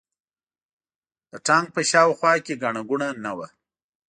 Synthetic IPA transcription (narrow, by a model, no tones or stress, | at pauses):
d̪̥əʈɑŋɡ̚pəʃɑwxwɑkeɡaɳaɡuɳanawa